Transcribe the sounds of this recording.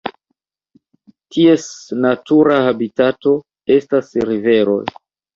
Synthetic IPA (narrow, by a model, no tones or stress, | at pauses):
tʰie̞snatuɾahabitato̞ | e̞stasɾive̞ɾo̞̰j